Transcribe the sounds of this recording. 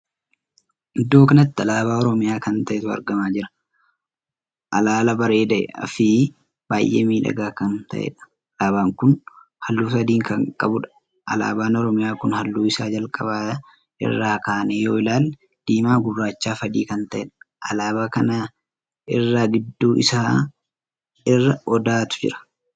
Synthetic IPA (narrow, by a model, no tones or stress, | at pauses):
ɪd̪ːo̞ːkɐnɐt̪ːɐlaːbaːɔɾɔmɪjaːkɐnt̪ɐʔɛt̪ʊɐ̰ɾɡɐmaːd͡ʒɪɾɐ̥ | ʔɐlaːlɐbɐɾe̞ːd̪ɐʔɛ̰ɐ̰fɪ | b̥aːjʔḛːmiːᶑɐ̰ɡaːkɐnt̪ɐ̰ʔḛᶑɐ̥ | laːbaːŋkʊn | hɐlːuːsɐd̪iːŋkɐŋkʼɐbʊᶑɐ̥ | ʔɐ̰la̰ːbaːnɔɾɔmɪjaːkʊnhɐlːuːɪsaːd͡ʒɐlkʼɐbaːt̪ɐ | ʔɪ̰rːaːkaːnejoːɪlaːl | d̪̥iːmaːɡʊbːaːt͡ʃːaːfɐd̪iːkɐnt̪ɐʔɛᶑɐ̥ | ʔɐlaːbaːkɐna | ɪrːaːɡɪd̪ːuːʔɪsaː | ɪrːɐɔd̪aːt̪ʊ̥d͡ʒɪ̰ɾɐ̥